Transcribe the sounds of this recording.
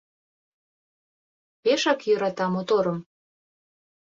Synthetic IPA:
peʃɑkjø̆ɾɑt̪ɑmot̪oɾəm

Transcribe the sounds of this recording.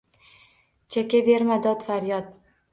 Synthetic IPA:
t͡ʃʰakʲabe̞ɾmad̪ɒt̪faɾjɒd̪̚

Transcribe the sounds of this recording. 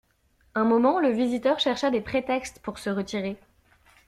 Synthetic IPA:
ɛ̃mɔmɑ̃ləvizit̪œʁʃɛʁʃad̪epχet̪ɛkst̪puʁsəʁət̪iʁe

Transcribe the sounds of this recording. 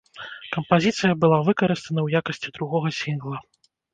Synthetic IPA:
kɐmpazʲit̪sɨjɐbɨlˠavɨkɐɾɨst̪ɐnɐwjakɐsʲt͡sʲid̪ɾuɣɔɣɐsʲinɣlˠɐ

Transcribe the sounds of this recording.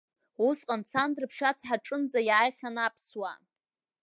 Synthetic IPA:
usqʼant͡sʰandrɨpʰʂat͡sʰħaʈ͡ʂʼɨnd͡zajaːjχʲanapʰswa̰

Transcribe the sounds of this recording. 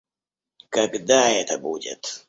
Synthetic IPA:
kɐɡd̪aɛt̪əbudʲɪ̰t̪

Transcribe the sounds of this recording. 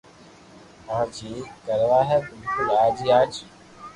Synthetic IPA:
ãːd͡ʒʰiːkəɾʋaːɦɛːbɪlkʊlaːd͡ʒiːaːd͡ʒi

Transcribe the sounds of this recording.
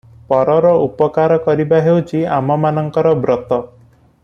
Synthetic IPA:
pɔɾɔɾɔupɔkaɾɔkɔɾibaɦewt͡ʃiamɔmanɔŋkɔɾɔbɾɔt̪ɔ

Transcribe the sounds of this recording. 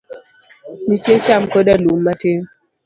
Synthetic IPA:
nitet͡ʃamkədalumːate

